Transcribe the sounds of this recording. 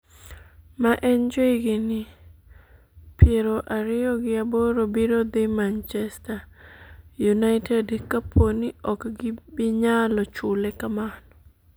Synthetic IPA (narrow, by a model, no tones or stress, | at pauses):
maʔɛnd͡ʒoiɡɪnɪ | pjeɾoʔaɾɪjɔɡɪaboɾobiɾod̪imant͡ʃɛsta | junaɪtʰɛdkapʰoniɔkɡɪbɪɲalɔt͡ʃʊlɛkamanɔ̥